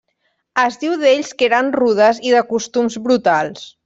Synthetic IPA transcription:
əzðiwðeʎskeɾanruðəziðəkust̪umzβɾut̪alˠs

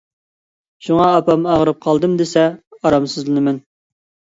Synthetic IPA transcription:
ʃuŋɑɑpɑmɑʁəɾɨp̚qʰɑlˠd̪ɨmd̪esɛɑɾɑmsɨzlɨnɨmɛn

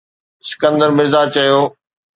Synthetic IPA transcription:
sɪ̥kə̃nd̪əɾmɪɾzat͡ɕɐjoː

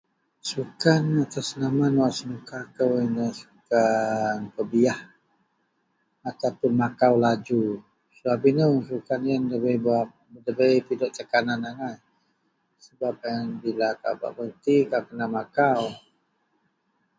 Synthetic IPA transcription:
sukanat̪asənamanwaʔsənukakəwinəsu̥kanpəbiah | at̪awpʊnmakawlad͡ʒu | səbapinəs̬ukanjəndəbəjba | dəbəjpidɔʔt̪əkananaŋaj | səbap̚anbilaka̰ba̰ʔbənt̪ikakənamakaw

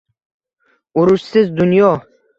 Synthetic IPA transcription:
ʊɾʊʃsɪzd̪ʊnjɒ

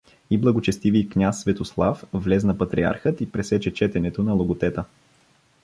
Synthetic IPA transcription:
iblˠɐɡot͡ʃɛst̪ivijkɲʲasːvɛt̪oslˠafvlɛznɐpɐt̪ɾia̰ɾxət̪ipɾɛsɛt͡ʃɛt͡ʃɛt̪ɛnɛt̪onɐlˠoɡot̪ɛt̪ə

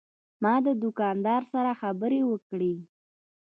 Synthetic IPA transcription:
mɑd̪əd̪ʊkɑnd̪ɑɾsaɾaxabəɾewəkɽe

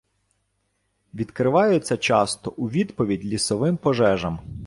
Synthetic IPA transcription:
ʋʲid̪kɾɪʋɑjʊt͡sʲːɐt͡ʃɑst̪ɔʔuʋʲid̪pɔʋʲidʲlʲisɔʋɪmpɔʒɛʒɐm

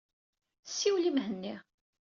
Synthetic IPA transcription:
sːiwlimhənːi

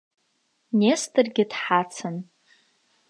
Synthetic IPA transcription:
nestʰʼɨrɡʲɪdħat͡sʰɨn

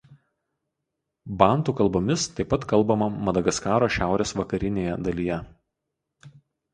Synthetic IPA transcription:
bɑˑnˑt̪uːkɐlˠboːmʲɪst̪ɐɪpːɐt̪kɐlˠbɐmɐmɐd̪ɐɡɐskɑːɾoːʃʲæˑʊɾʲeːsʋɐkɐɾʲɪnʲeːjɛd̪ɐlʲijɛ

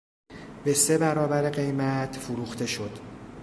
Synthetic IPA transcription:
be̞se̞bæɾɒːbæɾeɢe̞jmæt̪ʰfuɾuːxt̪e̞ʃo̞d̪̥

